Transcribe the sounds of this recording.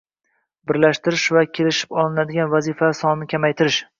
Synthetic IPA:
bɪɾlaʃt̪ɪɾɪʃvakʲʰelɪʃɪ̥pɒlˠɪnad̪ɪɡʲanvazifasɒnnɪkʲʰamajt̪ʰɪɾɪʃ

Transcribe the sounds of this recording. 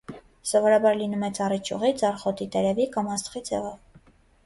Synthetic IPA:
sɔvɔɾɑbɑɾlinumɛt͡sʰɑrit͡ʃʰṵʁit͡sɑrχɔt̪it̪ɛɾɛvikɑmɑst̪χid͡zʰɛvɔv

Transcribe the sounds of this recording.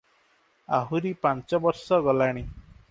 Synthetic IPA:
a̰ɦuɾipant͡ʃɔbɔɾsɔɡɔlaɽ̃i

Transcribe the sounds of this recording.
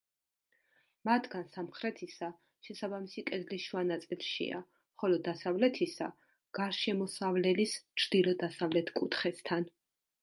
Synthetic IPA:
mat̪ʰɡansamχɾɛt̪ʰisa | ʃɛsabamisikʼɛd̪lisʃwanat̪sʼilˠʃḭa̰ | χɔlɔd̪asavlɛt̪ʰisa̰ | ɡ̥aɾʃɛmɔsavlɛlist͡ʃʰɾd̪̥ilɔd̪asavlɛt̪ʰkʼut̪ʰχɛst̪ʰan

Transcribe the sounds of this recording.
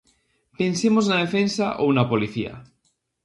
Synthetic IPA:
pensemoznaðefensaʔownapoliθia̰

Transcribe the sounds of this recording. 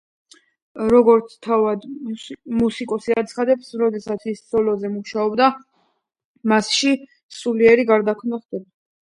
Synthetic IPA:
ɾɔɡɔɾt̪sʰt̪ʰavad̪ | musikʼɔsiat̪sʰχad̪ɛpsɾɔd̪ɛsat̪sʰissɔlɔzɛmuʃaɔbd̪a | masʃi | suliɛɾiɡaɾd̪akʰmnaχd̪ɛba

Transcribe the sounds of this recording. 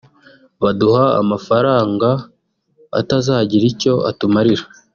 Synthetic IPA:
βaduhaa̰mafaɾaːŋɡa̰ː | tazaːɟiɾico̞a̰tumaɾiɾa

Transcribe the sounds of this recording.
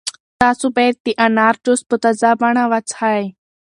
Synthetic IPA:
t̪asubeɾt̪iʔanaɾʈusput̪ad͡zabaɳaʋat͡saj

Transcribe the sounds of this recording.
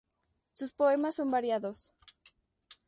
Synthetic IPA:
suspo̞e̞masːo̞mbaɾjaðo̞s

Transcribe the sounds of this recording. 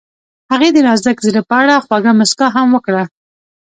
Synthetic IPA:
haɣed̪əɾɑzd̪akziləpəaɽaxwaɡamask̪ɑɦamwəkɽa

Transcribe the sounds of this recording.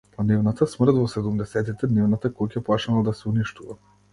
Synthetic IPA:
panivnat̪asmr̩t̪vɔsɛd̪umd̪ɛsɛt̪it̪ɛd̪nivnat̪akukaplˠaʃnalˠad̪asɛuniʃt̪uva

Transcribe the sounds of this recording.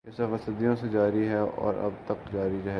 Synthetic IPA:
ɛsaʋɐsəd̪ijõsed͡ʒaːɾiɦɛɔ̰ːɾɐ̰bt̪ɐkd͡ʒaːɾiɾɐɦɛː

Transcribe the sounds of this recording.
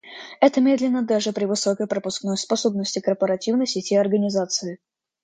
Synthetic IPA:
ɛt̪əmʲe̞d̪lʲɪnːəd̪aʐɨpɾʲɪvɨsokəjpɾəpʊsknojspɐso̞bnəsʲtʲɪkərpəɾɐtʲivnəjsʲɪtʲiɐrɡənʲɪzat̪sɨɪ

